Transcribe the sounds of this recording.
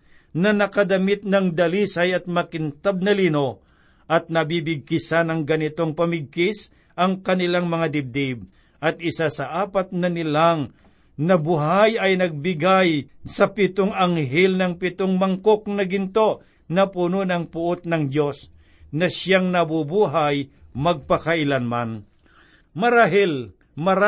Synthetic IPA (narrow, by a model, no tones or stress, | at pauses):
nɐnɐkɐd̪ɐmɪt̪̚nɐŋd̪ɐlisɐjɐt̪̚mɐkɪnt̪ab̚nɐliːno | ʔɐt̪̚nɐbibɪɡ̚kɪsanɐŋɡɐnɪt̪o̞ŋpɐmɪɡ̚kɪs | ʔɐŋkɐnɪlaŋmɐŋad̪ɪb̚d̪ɪb̚ | ʔɐt̪̚ɪsasɐʔaːpɐt̪̚nɐnɪlaŋ | nɐbʊɦajɐjnɐɡ̚bɪɡajsɐpɪt̪oŋɐŋɦɛlnɐŋpɪt̪oŋmɐŋkok̚nɐɡɪnt̪oʔ | nɐpʊnonɐŋpʊʔot̪̚nɐŋdo̞s | nɐʃjaŋnɐbʊbuːɦajmɐɡ̚pɐkɐʔɪlanman | mɐɾaːɦɪl | mɐɾa